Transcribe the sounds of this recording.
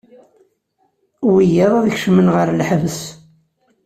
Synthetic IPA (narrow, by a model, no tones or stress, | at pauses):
wijæðˤaðəçʃmənʁəɾlħvəs